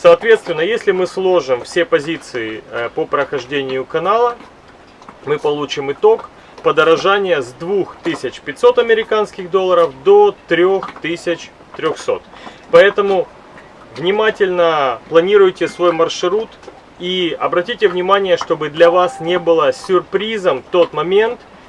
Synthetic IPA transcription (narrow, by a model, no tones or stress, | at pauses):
sɐːt̪vʲe̞t̪st̪vʲɪnːəjesʲlʲɪmɨslˠo̞ʐɨmfsʲepɐzʲit̪sɨɪpəpɾəxɐʐdʲenʲɪjʊkɐnalˠə | mɨpɐlˠut͡ɕɪmɨt̪o̞k | pəd̪əɾɐʐanʲɪjəzd̪vuxt̪ɨsʲɪt͡ɕpʲɪt̚ʲso̞t̪ɐmʲɪɾʲɪkanskʲɪɣd̪olˠːəɾəfd̪o̞t̪ɾʲoxt̪ɨsʲɪt͡ɕ | t̪ɾʲoxso̞̰t̪ | pɐɛt̪əmʊ | vnʲɪmatʲɪlʲnəplˠɐnʲiɾʊjtʲɪsvo̞jmɐrʂɾut̪ | iɐbɾɐtʲitʲɪvnʲɪmanʲɪjəʂt̪o̞bɨd̪lʲɐvasnʲe̞bɨlˠəsʲʊrpɾʲizəmft̪o̞t̪mɐmʲe̞nt̪